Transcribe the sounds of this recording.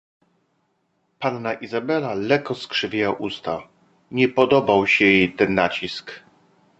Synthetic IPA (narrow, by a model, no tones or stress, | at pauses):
panːaʔizabɛlalɛkɔskʂɘvʲjɛwaʔust̪a | ɲɛpɔd̪ɔbawɕɛjejt̪ɛnːat͡ɕisk